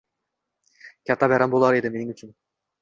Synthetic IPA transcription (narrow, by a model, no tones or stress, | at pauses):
kʲat̪ːɑbæɾɑmbolˠɑɾed̪ɪmeniŋyt͡ʃyn